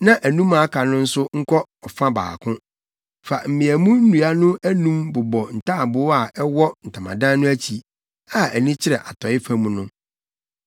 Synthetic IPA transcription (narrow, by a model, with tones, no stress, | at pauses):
nã˦ʔæ˨nũ˦mã˨˦kʰa˨nʊ̃˦n̩˦sʊ˦ŋ̩˦kʰɔ˦ | ɔ˨fã˦ba̰ː˨kʰʊ̃˦ | fa˨m̩˨mɪ̃˨æ˨mũ˦n̩˦nũ˨a˦nʊ̃˦æ˦nũ˦mbʊ˨bɔ˨n̩˨tʰa˦˨bʊ˦a˨ʔɛ˦wɔ˦n̩˨tʰa˨mã̰˨dã˦nʊ̃˦æ˦t͡ɕʰi˨ | a˨æ˨nĩ˦t͡ɕʰɪ˦ɾɛ˨ʔa˨tʰɔ˨ɪ˦fã˦mũ˦nʊ̃˦